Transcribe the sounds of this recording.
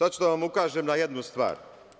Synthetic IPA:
at͡ʃud̪aʋamukaːʒemnajed̪nust̪ʋa̰ːɾ

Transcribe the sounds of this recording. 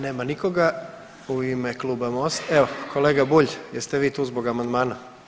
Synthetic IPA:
neːmaniko̞ɡa | uimeklˠuːbamost̪eokʰo̞leːɡabuːʎjest̪eʋiːt̪uːzboɡamand̪maːna

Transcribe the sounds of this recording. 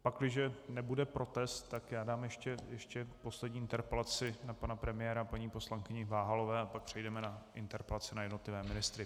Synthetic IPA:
paklɪʒɛnɛbudɛpɾo̞t̪ɛst̪ːakjaːdaːmjɛʃcɛjɛʃcɛpo̞slɛdɟɲiːʔɪnt̪ɛɾpɛlat͡sɪnapanapɾɛmɪjɛːɾapaɲiːpo̞slaŋkɪɲɪvaːɦalovɛːapak̚pr̥ɛjdɛmɛnaʔɪnt̪ɛɾpɛlat͡sɪnajɛdno̞t̪lɪvɛːmɪnɪst̪ɾɪ

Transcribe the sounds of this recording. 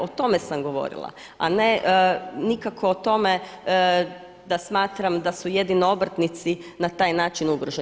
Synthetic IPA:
ot̪o̞mesamɡo̞ʋo̰ɾḭlˠa̰ | a̰nenikakʰoːt̪o̞me | d̪asmaːt̪ɾamd̪asuje̞d̪inoobɾt̪nit̪sinat̪aːjnaːt͡ʃinuɡɾoʒe

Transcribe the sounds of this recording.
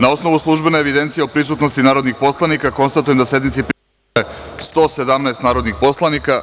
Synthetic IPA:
nao̞sno̞ʋuslˠuʒbeneeʋid̪e̞nt̪sije̞opɾisuːt̪no̞st̪inaːɾo̞d̪nixpo̞slˠanikako̞nst̪at̪ujemd̪asje̞d̪mit̪sipɾ | est̪o̞ːsed̪amnaest̪naːɾo̞d̪nixpo̞slˠanika

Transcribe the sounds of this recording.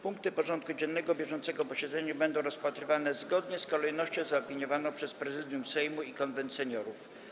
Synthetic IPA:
puŋk̚t̪ɘpɔʐɔnt̪̚kud͡ʑɛnːɛɡɔbʲjɛʐɔnt̪sɛɡɔpɔɕɛd̪zɛɲabɛnd̪ɔ̃w̃ɾɔspat̪ɾɘvanɛzɡɔd̪ɲɛskɔlɛjnɔɕt͡ɕɔ̃w̃zaɔpʲiɲɔvanɔ̃w̃pʂɛspɾɛzɘd̪ʲjumsɛjmuikɔnvɛnt̪sɛɲɔɾuf

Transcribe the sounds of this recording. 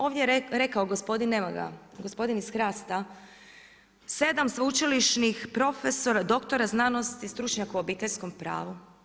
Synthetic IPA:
o̞ːʋd̪ʲjeɾe̞kaoɡospo̞d̪inːemaɡa̰ɡospo̞d̪inisxɾaːst̪a | se̞d̪amsʋut͡ʃiliʃnixpɾo̞feso̞ɾad̪o̞kt̪o̞ɾaznaːno̞st̪ist̪ɾut͡ʃɲakuobiːt̪e̞ʎʲsko̞mpɾa̰ːʋu

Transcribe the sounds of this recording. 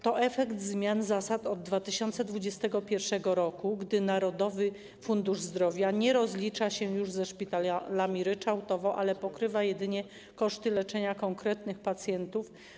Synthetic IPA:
t̪ɔʔɛfɛkd̪zmʲjanzasat̪ɔd̪̚ːvat̪ɘɕɔnt̪sɛd̪vud͡ʑɛst̪ɛɡɔpʲjɛɾfʂɛɡɔɾɔkuɡd̪ɘnaɾɔd̪ɔvɘ | fund̪uʐzd̪ɾɔvʲjaɲɛɾɔzlʲit͡ʂaɕɛjuʐzɛʂpʲit̪alalamʲiɾɘt͡ʂawt̪ɔvɔʔalɛpɔkɾɘvajɛd̪ɘɲɛ | kɔʂt̪ɘlɛt͡ʂɛɲakɔŋkɾɛt̪nɘxpat̪sʲjɛnt̪uf

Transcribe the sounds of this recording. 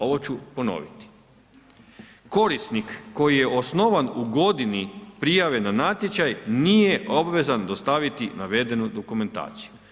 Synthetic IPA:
o̞ʋot͡ɕupo̞no̞̰ʋit̪i̥ | ko̞ɾist̪nikːo̞jije̞ʔo̞sno̞ʋanuɡo̞d̪inipɾijaʋe̞nanat̪jet͡ɕajnije̞ʔo̞bʋe̞zand̪o̞st̪aʋit̪inaʋe̞d̪e̞nud̪o̞kume̞nt̪a̰ːt̪si̥ju

